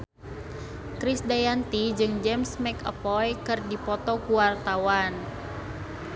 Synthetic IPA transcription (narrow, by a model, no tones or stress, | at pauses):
kɾisdajant̪id͡ʒɨŋd͡ʒɛmsmɛkə̰pɔjkɨrdipɔt̪ɔkuwart̪awan